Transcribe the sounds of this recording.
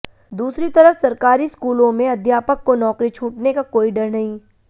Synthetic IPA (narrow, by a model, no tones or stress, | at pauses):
d̪uːsɾit̪ɐɾəfsɐɾkaːɾiskuːlõmẽɐd̪ʱjaːpəkːonɔːkɾit͡ʃʰuːʈnekakoːiɖɐɾnɐɦĩ